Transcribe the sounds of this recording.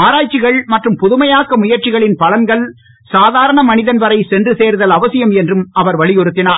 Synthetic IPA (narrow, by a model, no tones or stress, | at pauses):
aːɾaːt͡ʃːɪɣɐɭmɐʈrɯmpʊðʊmɐjaːkːɐmʊjɐɾt͡ʃɪɣɐɭɪnpɐlɐnɡɐɭ | saːðaːɾɐɳɐmɐnɪðɐnʋɐɾɐɪsɛndrɯseːɾðɐlɐʋɐsɪjɐmɛndrɯmɐʋɐɾʋɐɭɪjɔɾɯt̪ːɪnaːɾ